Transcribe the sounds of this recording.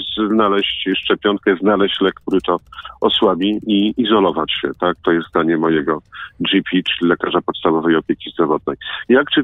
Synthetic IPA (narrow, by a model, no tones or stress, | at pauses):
znalɛɕt͡ɕʂt͡ʂɛpʲjɔŋkɛznalɛɕt͡ɕlɛkːt̪uɾɘt̪ɔɔswabʲiiizɔlɔvat͡ɕɕɛt̪ak̚t̪ɔjɛsd̪aɲɛmɔjɛɡɔd͡ʒipʲit͡ʂɘlʲilɛkaʐapɔt̪st̪avɔvɛjɔpʲjekʲizd̪ɾɔvɔd̪̚nɛjjakt͡ʂɘ